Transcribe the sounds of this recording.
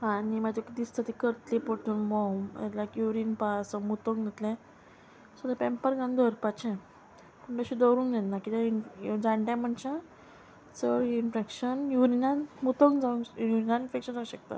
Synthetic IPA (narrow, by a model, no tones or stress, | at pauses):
ɦãnimad͡ʑ̪ekd̪ist̪at̪ikəɾt̪lipoʈʰuːnbɔmḛlakjuɾiːnpasəmut̪õŋɡɡət̪lɛ̃ | səd̪apɛ̃mpəɾɡãnd̪əɾpat͡ɕɛ̃ | pəɳbəɕid̪ɔɾũːŋknɛnːakit̪aid͡zãɳʈɛ̃m̤əɳt͡ɕa | səɭinfekɕənjuɾinãnmut̪oŋɡd͡zaũjuɾinaifekɕənd͡zaũɕək̚t̪a̰